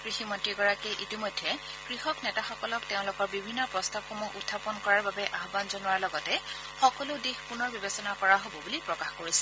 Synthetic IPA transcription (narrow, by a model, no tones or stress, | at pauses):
kɹiximɔntɹiɡɔɹakɛʔitimɔjdʱːɛ | kɹixɔknɛtaxɔkɔlɔkteʊ̃lʊkɔɹbibʱinːɔpɹɔstabxɔmuṵtʰːapɔnkɔɹaɹbabɛʔaɦbanzɔnʊwaɹlɔɡɔtɛ | xɔkɔlʊdixpunɔɹbibesɔnakɔɹaɦobɔbulipɹɔkaxkoɹisɛ̥